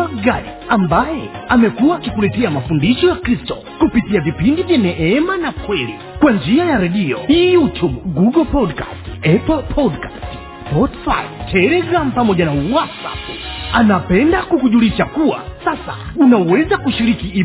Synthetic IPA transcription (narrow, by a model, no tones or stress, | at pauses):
aɡaji | ambajɛamɛkuwaːkikulɛtɛamafundiʃɔjakɾistɔ | kupitiavipindivjanɛʔɛmanapʰwɛli | kwand͡ʒiajaɾɛɗiɔ̰ijutubɡuɡɔlpɔdka̰stɛpɔlpʰɔdkḁst | spɔtfa̰jɔtʰɛlɛɡɾam̩pamɔʄanawatsa̰panapɛndakukuʄuliʃakuwa̰sasa̰ | unawɛzakuʃiɾikii